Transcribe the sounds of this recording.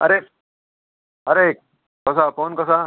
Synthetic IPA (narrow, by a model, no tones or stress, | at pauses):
ɐ̰ɾe | ɐɾek̚ | kɔs̬apoːnkɔsa